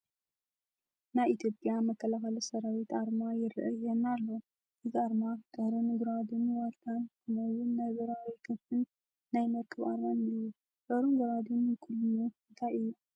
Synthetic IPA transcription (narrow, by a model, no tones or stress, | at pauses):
naβʔit̪ʰjopʼjamɐkʰːɐlaxɐlɐsɐɾawit̪ʔaɾmajɪɾɨʔɐjːɛnalːo | ʔɨzaɾmakʼɨhɾɨnɨɡuɾad̪ɨnwalt̪ʰankʰɨnɐwunːɐɡɐɾawijkʰɨnfɨnː | ajmɐɾkʰɨβa̰ɾmanɨjːu | ɡɐɾunɡuɾad̪unkʰulːunuɨnt̪ʰajɨjːu